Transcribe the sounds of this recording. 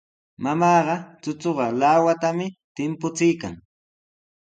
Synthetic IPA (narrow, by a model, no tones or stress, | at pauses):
mamɑːɢɑt͡sʊt͡soɢɑlawat̪amɪt̪ɪmpʊt͡sɪjka̰ŋ